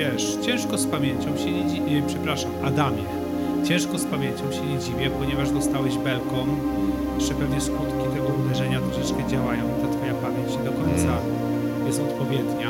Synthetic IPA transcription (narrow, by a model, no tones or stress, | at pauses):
ɛʂt͡ɕɛ̃w̃ʂkɔspamʲjeɲt͡ɕɔ̃w̃ɕɛɲɛd͡ʑivʲjɛpʂɛpɾaʂamʔad̪amʲjɛ | t͡ɕɛ̃w̃ʂkɔspamʲjeɲt͡ɕɔ̃w̃ɕɛɲɛd͡ʑivʲjɛpɔɲɛvaʐd̪ɔst̪awɛʑbɛlkɔ̃mjɛɛpɛvnɛskut̪kʲit̪ɛɡɔvd̪ɛʐɛɲat̪ɾɔʂɛt͡ʂkɛd͡ʑawajɔ̃w̃t̪at̪fɔjapamʲjeɲt͡ɕɲd̪ɔkɔɲt̪sa | bɛzɔt̪pɔvʲjɛd̪ɲa